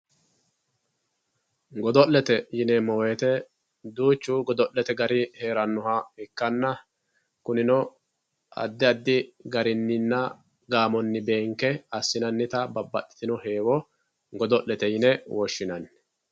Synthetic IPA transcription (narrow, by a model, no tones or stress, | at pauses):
ɡɔd̪ɔllɛt̪ɛjɪnɛmɔːwet̪ɛ | d̪uːt͡ʃːuɡɔd̪ɔllɛt̪ɛɡɐɾɪhe̞ːɾɐnːʊhɐɪkːɐnːɐ | kʊnɪnɔ | ɐ̰d̪ːɪɐd̪ːɪɡɐɾɪnːɪnːɐ | ɡaːmɔnːɪbe̞ːŋkɛɐsːɪnɐnːɪt̪ɐbɐbːɐtːɪ̥t̪ɪnɔhe̞ːwɔ | ɡɔd̪ɔʔlːɛt̪ɛjɪnɛwɔʃːɪnɐnː